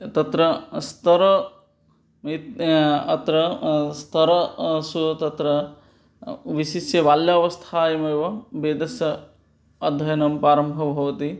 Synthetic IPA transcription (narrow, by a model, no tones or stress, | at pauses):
t̪ɐt̪ɾɐst̪ɐɾɐ | it̪ɐt̪ɾɐst̪ʰɐɾɐsut̪ɐt̪ɾɐ | ʋiʃiʃjɐʋaːljɐɐʋɐst̪ʰaːjɐmɐjʋɐbeːd̪ɐsɐ | ɐd̪ʱːɐjɐnɐmpaːɾɐmbʱɐbʱɐʋɐt̪i